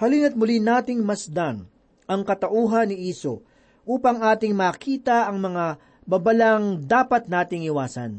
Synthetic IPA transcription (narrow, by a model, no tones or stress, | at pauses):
hɐlɪnɐt̪̚mʊlinaːt̪ɪŋmɐsd̪aŋ | ʔɐŋkɐt̪ɐʔuːɦɐnːɪʔiːso | ʔuːpɐŋaːt̪ɪŋmaːkʰiːt̪ɐʔɐŋmɐŋa | bɐbɐlaŋd̪aːpɐt̪̚naːt̪ɪŋɪwaːsɐ̰n